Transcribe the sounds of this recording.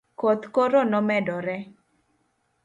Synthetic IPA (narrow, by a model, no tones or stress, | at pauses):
kot̪koɾonɔmɛdɔɾɛ